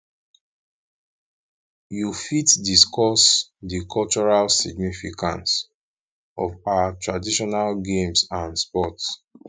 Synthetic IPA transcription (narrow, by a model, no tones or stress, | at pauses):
jufitdiskɔsdikʰɔlt͡ʃɔɹalsḭɡnifikã̰nts | ɔ̰vawatɹadiʃɔnalɡẽmsãnspɔts